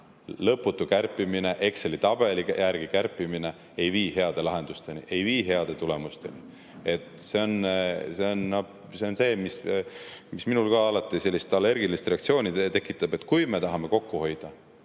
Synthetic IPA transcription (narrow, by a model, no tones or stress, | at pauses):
lɤpːˑut̪ːˑukærpːˑimine̞ʔe̞kselit̪ɑb̥e̞likjʔærɡ̥ikærpːˑimine̞ | e̞jviːhe̞ɑd̪̥e̞lɑɦe̞nd̪ust̪e̞niʔe̞jviːɦe̞ɑd̪̥e̞t̪ule̞must̪e̞ni | e̞t̪se̞o̞nse̞o̞nno | se̞onse̞ːmis | misminulkɑɑlɑt̪ːˑise̞lːist̪ɑlːe̞rɡilist̪re̞ɑkt̪sio̞ːnʲit̪e̞kːˑit̪ːˑɑb̥e̞t̪ːˑkujme̞t̪ɑɦɑme̞ko̞kːuho̞jd̪̥ɑ